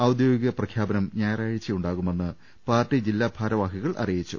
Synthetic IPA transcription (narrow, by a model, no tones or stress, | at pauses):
ɐwd̪joːɡiɣɐprɐkʰjaːbɐnɐmɲaːjɐraːɻit͡ɕːijuɳɖaːɣume̞nːɨ | paːrʈːid͡ʑilːaːbʱaːɾɐʋaːɦiɣɐɭʔɐ̰rijit͡ɕːṵ